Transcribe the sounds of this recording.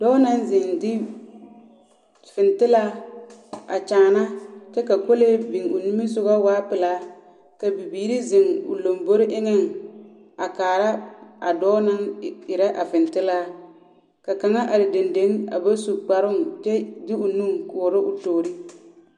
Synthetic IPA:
d̥ɔː˦na˦n˦zɪ˨ŋdɪ˦ | fɪ˨ntɪ˦laː˦ | a̰˨t͡ʃaː˨na˦t͡ʃɛ˦ka˨ko˦le˦bi˨ŋʊ̰˨nu˦mɪ˦sʊ˦ɣa˦waː˦pɪ˨laː˦ | ka˨bi˨biː˨ɾi˦zɪ˨ŋʊ̰˨lo˨mbo˦ɾɪ˦ʔɪ˦ŋɪ˦ŋ | a˨kaː˨ɾa˦a̰˨dɔː˦na˦ŋɪ˨ɾa˦ʔa˨fɪ˨ntɪ˦laː˦ | ka˨ka˨ŋa˦ʔa˨dɪ˨de˨nde˨˦ŋa̰˨ba˦su˨k͡pa˨ɾʊ˦ŋt͡ʃɛ˦dɪ˦ʊ˨nu˦ŋkʊ˨ɾɪ˦ʔʊ˨toː˨ɾi˦

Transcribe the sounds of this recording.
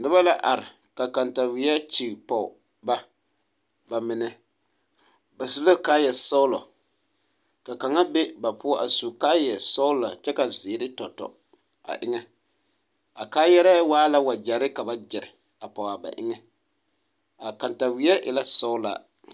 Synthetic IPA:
nɨ˦ba˦la˦ʔa˨ɾɪ˨ | ka˨ka˨nta˨wi˦ɛ˦t͡ʃi˨pɔ˨ | ba˦ | ba˨mɪ˨nɛ˨ | ba˨su˨lo˦kaː˦jɛ˨sɔ˦ʊ˦lɔ̰˨ | ka˨ka˨ŋa˦bɛ˦ba˨pʊ˦ɔ˦ʔa˨su˨ka˦jɛ˨sɔ˦ʊ˦la˨t͡ʃɛ˦ka˨zɪː˨˦ɾɪ˦tɔ˨tɔ̰˨ | a̰˨ʔɪ˦ŋɛ˦ | a˨kaː˦jɛ˦ɾa˦waː˦la˦wa˨d͡ʒa˨ɾɪ˦ka˨ba˦d͡ʒɛ˨ɾɪ˨ | a˨pɔ˨a˨ba̰˨ʔɪ̰˦ŋɛ˦ | a˨ka˨nta˨wi˨˦ɛ˦ʔɪ̰˨la˦sɔ˦ʊ˦la̰˨

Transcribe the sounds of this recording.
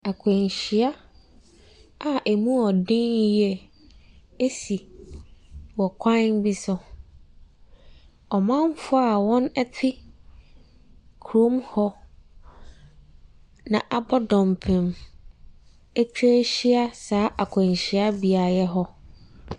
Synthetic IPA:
a˨kʰɛ̃˨ɲ˨ɕi˨a˦ | a˨ʔe˨mũ˦ɔ˨dɪ̃˦n˦jɛ˦ | e˦si˨ | wɔ˨kʷʰã˦nbi˦sɔ˨ | ɔ˨mã˦m˦fʊ˦a˨wɔ̃˦nɛ˦tʰɪ˦ | kʰɾo˦mhɔ˦ | nã˨ʔa˨bɔ˦dɔ̃˨mpʰɪ̃˨m | ɛ˦t͡ɕᶣe˦ɕi˦a˦saː˨˦ʔa˨kʰʷɛ̃˨ɲ˨ɕi˨a˦bi˨a˨jɛ˦ɦɔ˦

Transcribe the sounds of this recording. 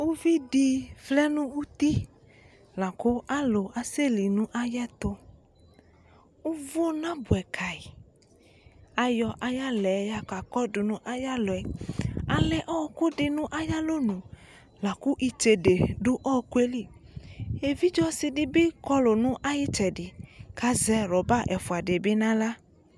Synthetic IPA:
wu˦vi˦ɖi˦flɛ˦nũ˦wu˦t̪i˦ | lã˨ko˦ʔa˦lo˨ʔa˨se˦li˨nũ˦ʔa˦jɛ˦t̪o˦ | u˦vo˦nã˦bu˨ɛ˨kʰa˨i˨ | a˨jɔ˨ʔa˦ja˦lɛ˨˦ja˦ka˨kɔ˦ɖu˨nũ˦ʔa˦ja˦lo˨ɛ˨a˨lɛ˨ʔɔ˦˨˦ku˦ɖɪ˨nũ˦ʔa˦ja˦lo˦nũ˨ | la˨ku˦ʔi˨t͡ʃe˨ɖe˨ɖu˦ʔɔ˦ku˦e˦li˦ | e˨vi˦d͡ʒɔ˦si˨ɖi˦be˦kɔ˦lo˨nũ˦ʔa˦ji˦t͡ʃɛ˨di˨ka˦zɛ˦ɾɔ˨ba˦ʔɛ˨fu˨a˨de˨be˦nã˦la˦

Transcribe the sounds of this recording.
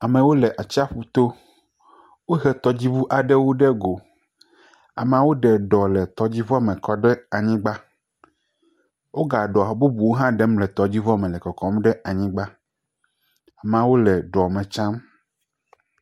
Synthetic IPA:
a˨mɛ̃˨wo˦lɛ˨ʔa˨t͡ɕi˦a˦ɸu˨t̪o˦ | wo˦ɦɛ˦t̪ɔ˨d͡ʑi˦vu˦ʔa˨ɖɛ˦wo˦ɖɛ˦ɡo˨ | a̰˨m˦ã˨˦wo˦ɖɛ˨ɖɔ˨lɛ˨t̪ɔ˨d͡ʑi˦vɔ˦˨mɛ̃˨kɔ˦ɖɛ˦a˨ɲĩ˦ɡ͡ba˦ | wo˦ɡa˨ɖɔ˨a˨bu˦bu˨wo˦ɦã˦ɖɛ˦mlɛ˨t̪ɔ˨d͡ʑi˦vɔ˦˨mɛ̃˨lɛ˨kɔ˨kɔ˨m˦ɖɛ˦ʔa˨ɲĩ˦ɡ͡ba˦ | a˨me˨ã˨wo˦lɛ˨ɖɔ˨mẽ˨t͡ʃã˦m

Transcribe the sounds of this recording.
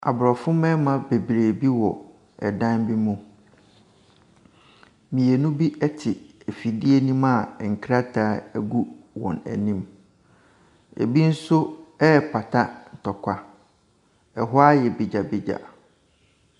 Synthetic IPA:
a̰˨bʊ˨ɾɔ˨fʊ̃˦mɛ̃˦mã˦˨be˨bɾeː˨bi˦wɔ˨ | ɛ̰˨dã˦nbi˦mũ˦ | mĩ˨e˨nũ˦bi˦ʔɛ˦tʰɪ˨ | ɛ˨fi˨di˦e˦nĩ˦ma˨ŋ̩˨kʰɾa˦tʰaː˦ɛ˦ɡu˦wɔ̰̃˨næ̰˨nĩ˦m | ḛ˨bi˦n̩˦sʊ˦ɛ˦˨pʰa˨tʰa˦n̩˨tʰɔ˨kʷʰa˦ | ɛ˨ɦʊ˦a˦jɛ˨bi˨d͡ʑa˨bi˦d͡ʑa̰˨

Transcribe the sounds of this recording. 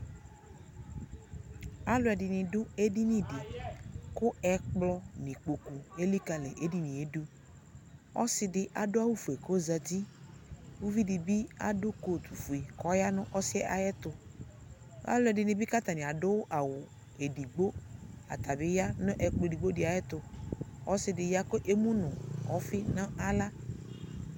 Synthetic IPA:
a˦lʊ˦ɛ˨dɪ˨nɪ̃˨dʊ˦e˦di˦nĩ˦dɪ˨kʊ˦ɛ˨k͡plɔ˦nĩ˨k͡po˨ku˨e˦li˦ka˨lɛ˨ʔe˦di˦nĩ˨e˦du˦ | ɔ̰˦sɪ˦dɪ˦ʔa˨dʊ˦a˦wu˦fu˨e˨ko˦za˨di˦ | wu˦vi˦dɪ˨bɪ˦a̰˨dʊ˦ko˦˨t̪u˨fu˨i˨kɔ˨˦ja˦nʊ̃˦ʔɔ˦sɪ˦ɛ˦ʔa˨jɛ˦t̪ʊ˨ | wa̰˦lɛ˦dɪ˨nɪ̃˨bɪ˦ka˦t̪a˨nɪ̃˨a˨dʊ˦wʊ˦ʔa˨wʊ˨ | e˨di˨ɡ͡bo˦a̰˨t̪a˨bɪ˦ja˦nʊ̃˦ʔɛ˨k͡plo˦˨di˨ɡ͡bo˦dɪ˨a˨jɛ˦t̪ʊ˨ɔ˦sɪ˦dɪ˨ja˦ko˦ʔe˦mũ˦nʊ̃˨ɔ˦fɪ˦nã˦a˦la˦

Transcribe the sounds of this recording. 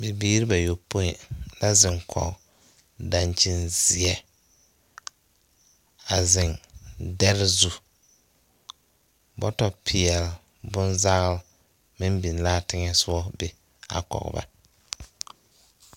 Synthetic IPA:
bi˨biː˦ɾi˦ba˨jo˨po˦ɪ˨la˦zɪ˨ŋkʰɔ̰˨k | da˨nt͡ʃɪ˦nzɪ˨ɛ˦ | a˨zɪ˨ndɛ˦ɾzu˦ | bɔ̰˦tɔ˨pʰɪ˨ɛ˨l | bʊ˦nza˦ɣɪ˦l | mɪ˦mbi˨n˨laː˦tɪ˦ŋɛ˦sʊ˦ɔ˦be˨ | a̰˨kɔ̰˨ɣba̰˦

